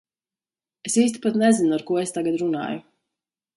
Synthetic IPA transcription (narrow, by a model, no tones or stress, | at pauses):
esiːs̬t̪i̥pat̪nɛzinʊaɾkuɔest̪aɡad̪ɾuna̰ːju